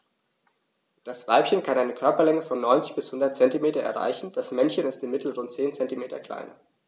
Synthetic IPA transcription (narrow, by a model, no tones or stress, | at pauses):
d̥asv̥aɪpçənkʰanʔaɪnəkʰœɐpɐlɛŋəfɔnːɔʏnt͡sɪ̥çb̥ɪshʊndɐt̚t͡sɛntimeːtɐʔɛ̰ɐʁa̰ɪçn̩d̥asmɛnçənɪstɪmːɪtl̩ʁʊntt͡seːnt͡sɛntimeːtʰɐ̰kl̥a̰ɪnɐ̰